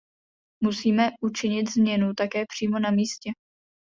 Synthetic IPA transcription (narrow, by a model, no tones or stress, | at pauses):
musiːmɛʔut͡ʃɪɲɪt̪zmɲɛnut̪akɛːpr̝̥iːmo̞namiːscɛ